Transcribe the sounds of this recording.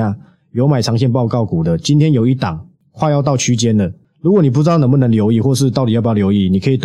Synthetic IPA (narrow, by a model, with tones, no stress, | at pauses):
a˥˩ | jo˧˥ʊma˨˩ɪʈ͡ʂʰɑ˧˥ŋɕjɛ˥˧npɑ˥˧ʊkɑ˥˩ʊku˨˩d̪ə˦t͡ɕi˦nt̪ʰjɛ˦njo˨˩ʊi˥˩t̪a˨˩˦ŋ | kʰwa˥˧jɑ˥˧ʊt̪̬ɑ˥˩ʊt͡ɕʰy˥t͡ɕjɛ˦nd̪ə˨ | lu˧˥kwɔ˨˩ni˨˩p̬u˥˩ɻ̩˧˥t̪nə˧˥mɐ˨n˧˦ŋljo˧ʊi˥˨xwɔ˥˧ʂ̬ɻ̩˥˧t̪a˥˩t̪i˨jjo˨˥ʊi˥˨ni˨˩kʰə˧˥i˨˩t̪